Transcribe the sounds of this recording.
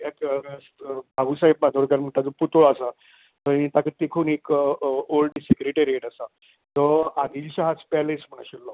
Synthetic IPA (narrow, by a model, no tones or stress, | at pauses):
aksbʱabusaɦip̚bãd͡z̪oɽkaɾm̤əɳʈ̪ad͡zoput̪oɭasa | t̪əĩt̪akəɾt̪ekʰuːnekolɖsekɾeʈeɾieʈasa | t̪ɔad̪iːlɕaɦat͡spɛlesm̤əɽ̃aɕelːɔ